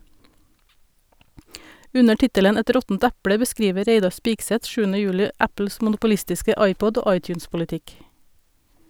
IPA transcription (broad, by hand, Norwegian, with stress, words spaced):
ˈʉnə ˈʈɪtələn ˈɛt ˈɾɔtn̩t ˈæpɽə bəˈskɾiːʋə ˈɾeɪdɑɾ ˈspɪɡsɛt ˈʃʉːn̩ə ˈjʉːlɪ ˈæpl̩s mʊnʊpʊˈlɪstɪskə ˈɑɪˌpɔɟ ˈoː ˈɑɪˌtʉːnspʊlɪˌtɪk